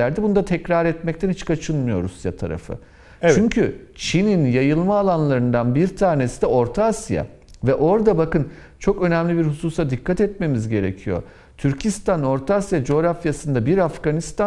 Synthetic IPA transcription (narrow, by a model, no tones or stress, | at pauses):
æɾd̪ɛbunud̪at̪ʰɛcɾaɾɛt̪mɛc̚t̪ʰænhit͡ʃkʰat͡ʃʰɯnmɯjo̞̰ɾṵsja̰t̪ʰa̰ɾa̰fɯ̰ | t͡ʃyɲcʰy | t͡ʃʰininjajɯlˠmaːlˠanlˠaɾɯnd̪anbiɾt̪ʰaːɾne̞sid̪ɛo̞ɾt̪ʰasja̰ | vɛʔo̞ɾd̪abakɯn | t͡ʃʰo̞kø̞nɛmlʲibiɾhusuːsad̪ikʰːat̪ɛt̪me̞mizɟe̞ɾe̞̰cʰijo̞̰ | t̪ʰyɾcʰist̪ʰano̞ɾt̪ʰasjad͡ʒo̞ːɾafjasɯnd̪abiɾafɡanist̪a